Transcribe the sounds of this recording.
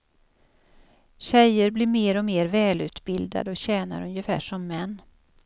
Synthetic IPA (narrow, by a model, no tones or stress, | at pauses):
ɕɛjəɾblɪɾmeːɾɔmeːɾvɛːlʉ̟ːt̪bɪld̪a̰d̪əɔɕɛːna̰ɾɵnjəfæ̰ːʂɔmːɛnː